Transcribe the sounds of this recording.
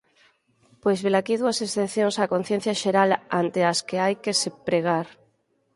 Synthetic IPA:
pojzβelakiðuasesθenθjoŋsakon̟θjen̟θjaʃeɾalant̪easkeajkesepɾeɣ̞aɾ

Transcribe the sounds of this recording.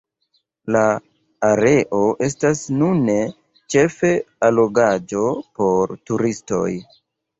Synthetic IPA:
laː | ɾe̞ʔo̞ʔe̞stasnune | t͡ʃe̞fe̞alo̞ɡad͡ʒo̞po̞ɾtuɾisto̞̰j

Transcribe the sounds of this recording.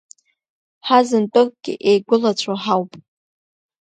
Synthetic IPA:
ħazɨntʼokʼɡ̥ʲɪ̰ʔejɡʷʊlat͡ɕʷʰoħawpʼ

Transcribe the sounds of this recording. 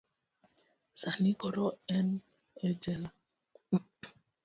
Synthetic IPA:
sanikɔɾɔɛn | ɛd͡ʒɛla

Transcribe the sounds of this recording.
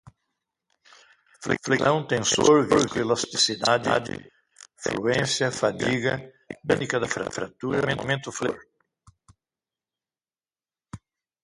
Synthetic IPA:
flḛflet̪ɐ̃w̃t̪ẽnsoɾviɾvɪelast̪isid̪ad̪d̪ɪ̰ | fluẽnsjɐfad̪iɡɐ | bẽnikɐd̪ɐfɾa̰fɾa̰t̪uɾɐmẽnmẽnt̪ʊfloɾ

